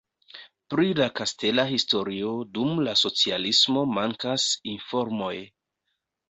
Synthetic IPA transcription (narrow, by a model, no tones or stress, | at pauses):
pɾilakaste̞lahisto̞ɾio̞dumlaso̞t͡sialismo̞maŋkasinfo̞ɾmo̞j